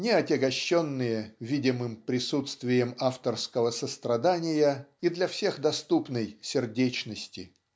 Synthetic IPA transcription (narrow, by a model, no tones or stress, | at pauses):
nʲɪɐtʲɪɡɐɕːonːɨjəvʲidʲɪmɨmpɾʲɪsut̪st̪vʲɪjəmaft̪ərskəvəsəst̪ɾɐd̪anʲɪjəid̪lʲɐfsʲe̞xd̪ɐst̪upnəjsʲɪrdʲet͡ɕnəsʲtʲɪ